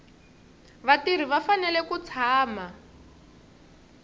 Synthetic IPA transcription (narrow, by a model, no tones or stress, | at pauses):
βatir̤iβafanɛlɛkut͡sʰaːma